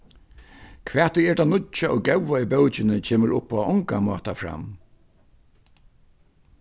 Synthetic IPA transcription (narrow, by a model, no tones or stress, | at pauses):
kʰʋɛːht̪ɪɛɹd̪anʊt͡ʃaʔɔɣɡɛwʋaibœwt͡ʃɪnɪt͡ʃʰeːməɹʔʊ̰pːaɔŋkamɔ̰ːt̪afɾa̰m